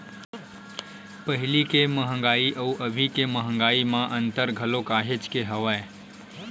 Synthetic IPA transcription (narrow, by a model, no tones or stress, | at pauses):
pəɦɪlikeməɦə̃ŋɡaːiʔəuʔəbʱikeməɦə̃ŋ̆ɡaːimãʔə̃nt̪əɾɡʱəlokaːɦet͡ʃkeɦəʋae